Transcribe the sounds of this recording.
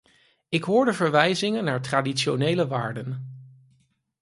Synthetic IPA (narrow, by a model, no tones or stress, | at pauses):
ɪkɦʊːɹdəvəɹʋɛjzɪŋənːaːɹtraːditʃonejləʋaːɹdən